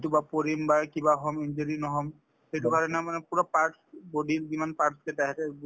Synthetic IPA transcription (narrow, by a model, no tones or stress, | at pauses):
tubapɔɹimbakibaɦɔmind͡ʒeɹinɔɦɔm | xejtubʱaɾɛnamanɛpuɹɔpaɹʈ | bodilzimanpaɹtʰkɛtaɦɛtɛ